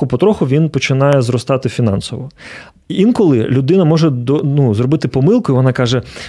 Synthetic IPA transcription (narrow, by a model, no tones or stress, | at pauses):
ʊpɔt̪ɾɔxʊʋʲinpɔt͡ʃɪnɑjɛzɾɔst̪ɑt̪ɪfʲinɑ̰nsɔʋɔ | inkɔlˠɪlʲʊd̪ɪnɐmɔʐɛd̪ɔnuzrɔbɪt̪ɪpɔmɪlˠkʊiʋɔnɑkɑʒɛ